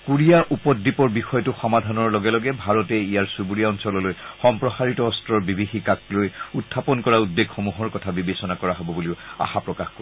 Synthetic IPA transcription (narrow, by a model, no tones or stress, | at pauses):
kuɹijaʔupɔdːipɔɹbixɔjɔtʊxɔmadʱanɔɹlɔɡɛlɔɡɛbʱaɹɔtɛijaɹsubuɹijaɔnsɔlɔlojxɔmpɹɔxaɹitɔːstɹɔɹbibʱixikaklojutʰːapɔnkɔɹaudːeɡxomuɦɔɹkɔtʰabibesɔnakɔɹaɦɔbɔbuliʊa̰xapɹɔkaxko